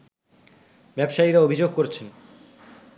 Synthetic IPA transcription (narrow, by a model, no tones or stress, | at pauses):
bɛbʃaiɾaobʱid͡ʑoɡ̚koɾet͡ɕʰen